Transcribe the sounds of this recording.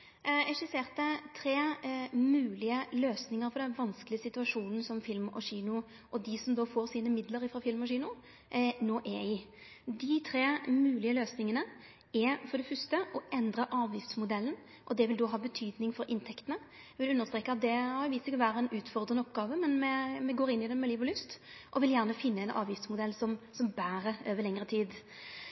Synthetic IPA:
ɛʂʉseːʁt̪ət̪ʰɾeːmʉːlɪəløːsnɪŋəɾfɔɾɖ̪ɛnʋɑnskəlɪəsɪt̪ʉɑʂuːnn̩sɔmfɪlmɔ̰ɕiːnʊ | ʔɔd̪ɪsɔmd̪oːfoːɾsiːnəmɪd̪ləɾɪfɾɑfɪlmɔɕiːnʊ | noːʔɛɪ | d̪ɪt̪ʰɾeːmʉːlɪəløːsnɪŋənə | ɛfɔʁɖɛfœst̪əʔɔʔɛnd̪ɾəʔɑːʋjɪft̪smʊd̪ɛlːən | ʔɔd̪ɛʋɪld̪oːɦɑːbət̪ʰyːd̪nɪŋfɔɾɪnt̪ʰɛkt̪ənə | ʋɪlʉnːəʁst̪ɾeːkəɑt̪̚d̪ɛɑʋɪsɪkːəʋæːɾəɛnʉːt̪fɔʁd̪ʁənəɔpɡɑːʋəmɛnmɛmɛɡoːɾɪnːɪd̪ɛmɛliːʋɔlʏst̪ | ʔɔʋɪljæʁnəfɪnːəɛnʔɑ̰ːʋjɪft̪smʊd̪ɛlːsɔmsɔmbæːɾəøːʋəɾlɛŋɾət̪ʰiːd̪

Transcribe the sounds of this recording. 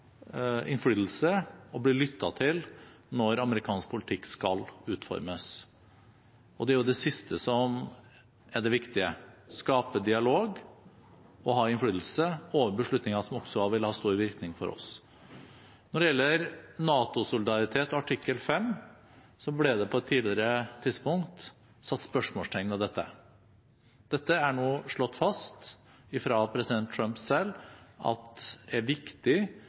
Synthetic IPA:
ɪnflyːd̪l̩səɔbliːlʏt̪ːɑt̪ʰɪl | nɔɾɑməɾɪkʰɑːnsk̚pʰʊlɪt̪ʰɪkːskɑlʉːt̪fɔ̰ɾməs | ɔd̪ɛæɾjʊd̪ɛsɪst̪ʰəsɔm | æɖɛʋɪkt̪ɪəskɑːpəd̪ɪɑloːɡ | ɔɦɑːɪnfɽyːd̪l̩səoːʋəbəʂɭʉt̪nɪŋɑsɔmɔksɔʋɪlːəhɑːst̪uːɾʋɪɾknɪŋfɔ̰ɾʔɔ̰s | nɔɖɛjɛlːəɾnɑːt̪ʊsʊlɪd̪ɑɾɪt̪ʰeːt̪ɔɑʈʰɪkːəlfɛm | sɔblɛd̪ɛpʰɔɛt̪ʰːiːd̪lɪəɾət̪ʰɪd̪spʊŋkt̪ | sɑt̪ːspœʂmoːst̪ʈʰɛŋːnɑd̪ɛt̪ːə̰ | d̪ɛt̪ːəæɳoːʂɭɔt̪ːfɑst̪ | ɪfɾɑpʰɾɛsɪd̪ɛnt̪ʰɾœmpsɛlːɑ̰t̪d̪ɛæɾʋɪkt̪ɪ

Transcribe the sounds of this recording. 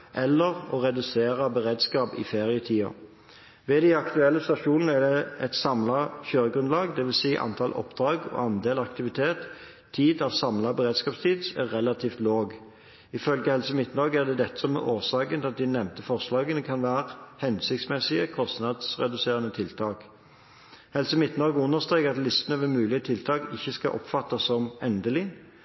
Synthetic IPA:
ʔɛlːəʁɔ̰ʁɛd̪ʉseːʁəbəʁeːd̪skɑːpɪ̰feːʁɪət̪ʰiːɑ̰ | ʋɛd̪ɪɑkt̪ʉɛlːəst̪ɑʂuːnənəæd̪ɛɛt̪sɑmlɑçøːʁəɡʁʉnlɑːɡd̪ɛʋɪlsiːʔɑ̰nt̪ʰɑlʔɔ̰pd̪ʁɑːɡɔ̰ːɑnd̪eːlɑkt̪ɪʋɪt̪ʰeːt̪ʰː | iːd̪ɑʋsɑmlɑbəʁeːd̪skɑːpst̪ʰiːd̪sæʁːɛlɑt̪ʰiːft̪loːɡ | ɪfœlɡəhɛlsəmɪt̪nɑɡəæʁd̪ɛd̪ɛt̪ːə̥sɔmɛ̰ʔoːsɑːkənɑt̪̚d̪ɪnɛmt̪əfɔʁslɑːɡənəkʰɑnʋæːʁəhɛnsɪkt̪smɛsɪəkʰɔst̪nɑd̪sʁɛ̰d̪ʉseːʁənət̪ʰɪlt̪ʰɑːk | hɛlsəmɪt̪nɑɡəʉnːəʁst̪ʁeːkɑt̪lɪst̪ənəʋɛmʉːlɪət̪ʰɪlt̪ʰɑːkɪçːəskɑʔɔ̰pfɑt̪ːəsːɔmɛnd̪əlɪ

